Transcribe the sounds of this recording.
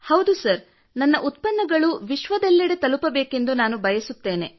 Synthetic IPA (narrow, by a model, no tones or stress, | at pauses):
hɐwd̪usɐɾ | nɐnːɐʔut̪̚pɐnːɐɡɐɭuʋiʃʋɐd̪ɐlːiɽet̪ɐlupɐbeːke̞nd̪unaːnubʱɐjɐsut̪ːe̞ːne̞